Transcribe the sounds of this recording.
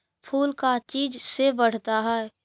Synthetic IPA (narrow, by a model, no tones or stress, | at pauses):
pʰuːlkat͡ʃiːd͡ʒsebəɽ̤t̪aɦɛɛ